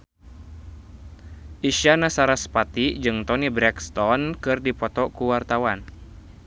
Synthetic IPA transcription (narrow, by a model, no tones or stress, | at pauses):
ʔiʃanasaɾaspat̪id͡ʒɨŋt̪ɔnibɾɛkst̪ɔnkɨrdipɔt̪ɔkuwart̪awan